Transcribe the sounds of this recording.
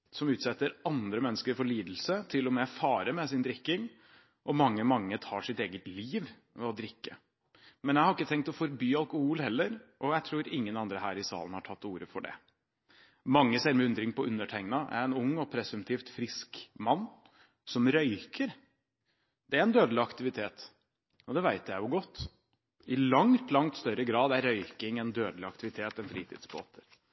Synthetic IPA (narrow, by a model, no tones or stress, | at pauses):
sɔmʉːt̪sɛt̪ːəɾɑnd̪ɾəmɛnːəskəɾfɔɭiːd̪l̩sət̪ʰɪlːɔmɛfɑːɾəɾmɛs̬ɪnd̪ɾɪkːɪŋ | ʔɔmɑŋːəmɑŋːət̪ʰɑ̰ːʂɪt̪eːɡət̪liːʋ | mɛɔd̪ɾɪkːə | mɛnjæɪhɑɾɪkːət̪ʰɛŋk̚t̪ɔfɔɾbyːɑlkʊhuːlhɛlːəɾʔɔjæɪt̪ʰɾuːɾɪŋːənɑnd̪ɾəhæ̰ːɾɪsɑ̰ːlənhɑʈʰɑt̪ːuːɾəfɔɖɛ̰ | mɑŋːəsæɾmɪʉnd̪ɾɪŋpɔʔʉnːəʈʰæɪŋnɑʔæ̰ɾɛnʊŋːɔpʰɾɛsʉmt̪ʰiːft̪fɾɪskmɑnː | sɔmɾœʏkʰəɾ | d̪̥ɛæɾɛnd̪øːd̪əlɪɑkt̪ɪʋɪt̪ʰeːt̪ | ɔd̪ɛʋæɪt̪ʰjæɪjʊɡɔt̪ː | ɪlɑŋt̪lɑŋt̪st̪œɾəɡɾɑːd̪æɾːœʏkɪŋɛnd̪øːd̪lɪɑkt̪ɪʋɪt̪ʰeːt̪ɛnfɾḭːt̪ʰɪ̰d̪sbo̰ːt̪ʰə̥ɾ